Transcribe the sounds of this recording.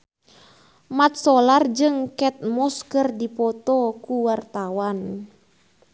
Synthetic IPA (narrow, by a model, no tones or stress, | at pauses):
mat̪̚sɔlard͡ʒɨŋkɛt̪̚mɔskərdipɔt̪ɔkuwart̪awan